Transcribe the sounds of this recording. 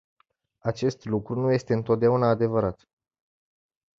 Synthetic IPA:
at͡ʃe̞st̪lukɾunuje̞st̪e̞ɨnt̪o̞t̪̚d̪eaunaːd̪e̞vəɾat̪

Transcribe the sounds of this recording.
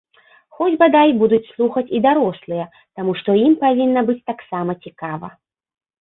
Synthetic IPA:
xɔd͡zʲbad̪ajbud̪ut͡sʲslˠuxɐt͡sʲid̪aɾɔslˠɨjɐ | t̪amuʂt̪ɔimpavʲinːɐbɨt͡sʲt̪aksamɐt͡sʲikavɐ̰

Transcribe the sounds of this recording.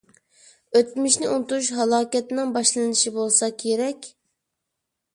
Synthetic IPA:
øt̪myʃnɪunt̪uuʃɦɑlˠɑːkʲɛt̪ɪnɪŋbɑʃlˠɨnɨnɨʃibolˠsɑkʲʰeɾɛkʲ

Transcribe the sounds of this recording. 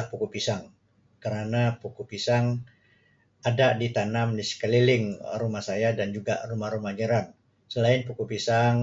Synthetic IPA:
hpukupisaŋ | kəɾanapukupisaŋ | adaʔdit̪anamdisə̥kəlilɪŋɾumahsajadand͡ʒuɡa̰ʔrumahɾumaɲəɾan | səlaɪnpukupisaŋ

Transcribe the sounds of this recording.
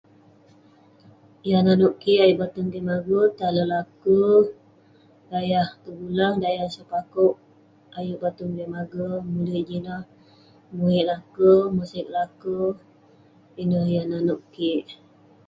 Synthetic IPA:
jananuʔkiʔajuʔbat̪und̪imaɡət̪aləlakə | dajaht̪əɡulaŋdajahsəpakuʔ | ajuʔbat̪uŋdimaɡəmuləʔd͡ʒinəh | muiʔlakəmusɪk̚lakə | inəhjananuʔkiʔ

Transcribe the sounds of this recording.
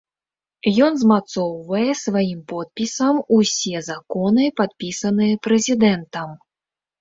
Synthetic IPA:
jɔnzmat̪sɔwvɐjɛsvajimpɔt̪̚pʲisɐmusʲɛzakɔnɨpat̪̚pʲisɐnɨjɛpɾɛzʲid̪ɛnt̪ɐm

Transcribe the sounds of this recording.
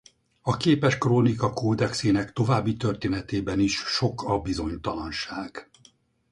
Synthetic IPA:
ɒkeːpɛʃkroːnikɒkoːd̪ɛkseːnɛkt̪o̞vaːbːit̪ø̞rt̪eːnɛt̪eːbɛniʃʃo̞kʰɒbizo̞ɲt̪ɒlɒnʃaːɡ̥

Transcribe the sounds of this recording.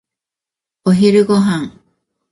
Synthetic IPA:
oɦiɾɯɣoɦaŋ

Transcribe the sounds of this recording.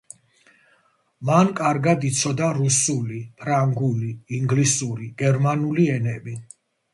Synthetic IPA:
mankʼaɾɡad̪it̪sʰɔd̪aɾusulipʰɾaŋɡuliːŋɡlisuɾiɡ̥ɛɾmanuliɛnɛbi

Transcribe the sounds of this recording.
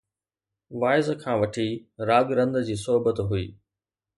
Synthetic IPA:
ʋaːɪzkʰãːʋɐʈʰiɾaːɡɾɐ̃nd̪d͡ʑiːs̬ɔɦbət̪ɦʊḭː

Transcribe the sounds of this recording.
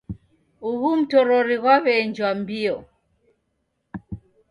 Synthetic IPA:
uɣum̩tɔɾɔɾiɣwaβɛnd͡ʒwambiɔ

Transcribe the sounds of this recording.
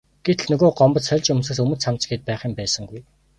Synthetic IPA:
ɡ̥et̪ɮnɵɣoːɢɔmpɞ̆t͡ssœrʲt͡ɕɵmsɘ̆ksɵmɵ̆samt͡sɡeːt̪̚pæːχiːmpæːsə̆ŋɡuj

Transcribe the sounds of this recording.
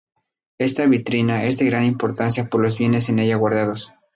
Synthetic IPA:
e̞st̪aβit̪ɾinae̞zðe̞ɣɾanimpoɾt̪ansjapo̞ɾlo̞zβje̞ne̞s̬e̞ne̞ʝaɣwaɾðaðo̞s

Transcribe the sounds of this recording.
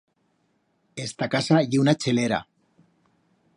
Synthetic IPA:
est̪akasaʝiwnat͡ʃeleɾa̰

